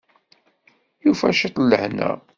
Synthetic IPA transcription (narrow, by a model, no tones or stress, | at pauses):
jufæʃit̪ˤlːəhnæ̰